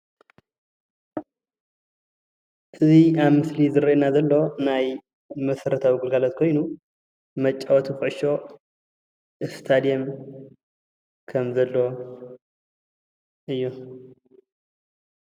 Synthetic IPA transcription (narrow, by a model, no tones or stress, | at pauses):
ʔɨziaβmɨslizɨɾɐnazɐlːo̞naj | mɐsɐɾɐt̪ʰawiɡɨlɡalat̪̚kʰo̞jnu | mɐt͡ʃʼːawot̪fɨʕʃo̞ | ʔɨst̪ʰad̪ijɛm | kʰɐmzɐlːo | ʔɨjːu